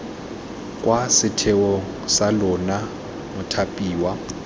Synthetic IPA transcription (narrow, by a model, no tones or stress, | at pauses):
kʼwasɪtʰɛɔ | salʊna | mʊtʰapʼiːwa